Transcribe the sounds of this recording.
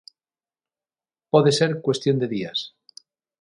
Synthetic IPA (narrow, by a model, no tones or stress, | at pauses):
poðeseɾkwe̞st̪jo̞nd̪e̞ðias